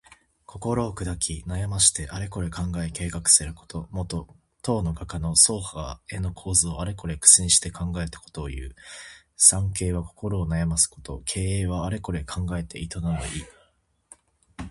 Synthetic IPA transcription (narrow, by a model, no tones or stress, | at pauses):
kʰo̞ko̞ɾo̞ːkɯ̟d̪akʲinajamaɕi̥t̪e̞ʔaɾe̞ko̞ɾe̞kãŋɡaeke̞ːkakɯ̟̥sɨɾɯ̟ko̞̥t̪o̞mo̞t̪o̞ | t̪o̞ːno̞ɡakanoso̞ːhae̞no̞kʰo̞ːzɨo̞aɾe̞ko̞ɾe̞kɯ̟̥sĩɲ̃ɕi̥t̪e̞kʰãŋɡae̞t̪ḁko̞̥t̪o̞ːjɯ̟̰ː | sãŋke̞ːβako̞ko̞ɾo̞ːnajamasɨ̥ko̞t̪o̞̰kʰe̞ːeːβaːɾe̞ko̞ɾe̞kʰãŋɡae̞t̪e̞̰ʔit̪o̞nano̰iː